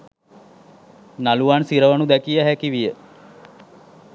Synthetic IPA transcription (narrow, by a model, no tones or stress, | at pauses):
naluʋansiɾəʋənud̪ɛkijəɦɛkiʋijə